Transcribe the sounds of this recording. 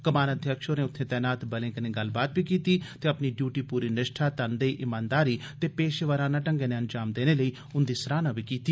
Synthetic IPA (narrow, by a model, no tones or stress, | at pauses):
kəmaːnəd̪ʱjəkʃoːneːʊt̪ʰːẽːt̪ɛːnaːt̪bəlẽːkəneːɡəlbaːt̪ʋiːkiːt̪iːt̪eːəpniːɖjuːʈiːpuːɾiːnəʃʈʰaːt̪ənd̪əiːʔɪmãːnd̪aːɾiːt̪eːpeːʃʋəɾãːnãːʈəŋɡeːneːənd͡ʒaːmd̪eːneːləiː | ʊnd̪iːsəɾaːnaːʋiːkiːt̪iː